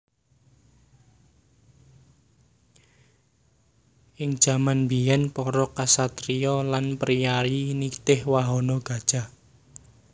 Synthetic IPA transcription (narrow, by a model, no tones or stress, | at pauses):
ʔɪŋd̥ʒ̥a̤manbijɛnpɔɾɔkasat̪ɾiɔlanpɾijaɾinit̪ɪhwaɦɔnɔɡ̥ä̤d̥ʒ̥a̤